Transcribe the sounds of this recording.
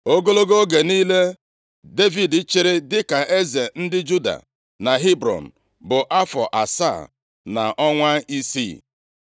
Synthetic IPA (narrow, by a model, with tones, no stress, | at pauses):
o˦ɡo˦lo˦ɡo˦ɡe˨niː˦le˦ | de˦vi˨dɪ˦t͡ʃɪ˦ɾɪ˦dɪ˦ka˨ʔe˦ze˨n̩˦dɪ˦d͡ʒu˦da̰˨ | na˨ɦi˦bɾɔ̰˨n̩˨ | bʊ˨ʔa˦fɔ˨ʔa˨sa̰˦˨ | na̰˨ʔɔ˦ŋʷa˦i˦sḭ˦˨